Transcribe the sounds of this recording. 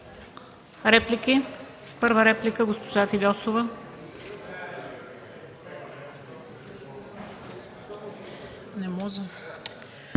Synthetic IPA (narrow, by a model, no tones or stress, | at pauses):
ɾɛpliki | pɤɾvəɾɛplikəɡospoʒafilʲɔsovə | nɛmɔzə